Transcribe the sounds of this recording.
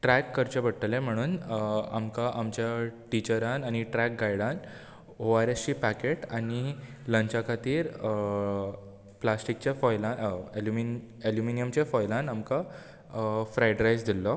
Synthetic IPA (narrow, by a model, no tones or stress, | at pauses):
ʈɾækːəɾt͡ɕebəɽ̚ʈ̪əlẽm̤əɽ̃uːnamkaʔamt͡ɕjaʈit͡ɕəɾanañiʈɾæk̚ɡajɽãn | oaɾest͡ɕiːpækeʈañi | ləɲt͡ɕakʰat̪iːɾ | plasʈik̚t͡ɕjafɔjlãnelumi | eljuminijəmt͡ɕafɔjlãnamka | fɾajɖɾajd͡zd̪ʱilːɔ